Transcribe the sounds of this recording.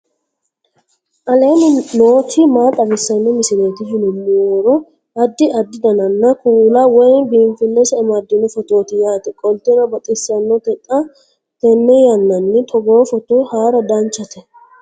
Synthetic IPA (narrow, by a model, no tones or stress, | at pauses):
ʔɐleːnɪnoːt̪ɪmaːt̪ʼːɐbɪsːɐnːɔmɪsɪɾeːt̪ɪʃɪnʊmːuwɔɾɔ | ʔɐd̪ːɪɐd̪ːɪd̪ɐnɐnːɐkuːlɐwɔjnbiːnfɪnːɛsɐːmɐd̪ːɪnɛfɔt̪o̞ːt̪ɪjaːt̪ɛkʼɔlt̪ɛnɐbɐt̪ʼɪsːɐnːɔt̪ɛt̪ʼːɐ | t̪ɛnːɛjɐnːɐnːɪt̪ʰɔɡoːfɔt̪ɔhaːɾɐd̪ɐnt͡ʃːɐt̪ɛ